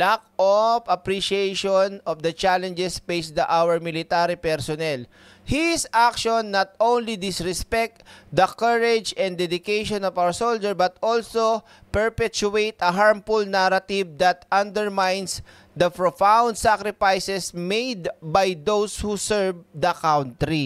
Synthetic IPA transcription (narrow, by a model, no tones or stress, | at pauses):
lak̚ɔpɐpɾiʃiejʃɔnɔfd̪ɐt͡ʃalɛ̃nd͡ʒɛspejsd̪ɐʔawɛɹmɪlɪt̪aɾipɛɹsɔnɛl | hɪsʔakʃɔnːat̪̚ʔõwnlid̪ɪsɹɛspɛk̚t̪d̪ɐkaɹɛd͡ʒɛ̃nd̪ɛd̪ɪkejʃɔ̃nɔvawəɹsold͡ʒɛɹbɐt̪ɔlso | pɛɹpɛt͡ʃuejt̪ɐɦaɹmfulnaɾɐt̪ɪvd̪ɐt̪ʔɐ̃nd̪ɛɹmãjns | d̪ɐpɹofãwnd̪sakɾɪfajsɛsmejd̪bajd̪owshusɛɹvd̪ɐkawnt̪ɾi